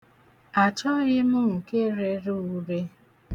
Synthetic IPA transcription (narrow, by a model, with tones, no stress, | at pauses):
a˨t͡ʃɔ˦ɣɪ˦mʊ˦ŋ̩˨ke˦ɾe˨ɾu˦u˦ɾe˦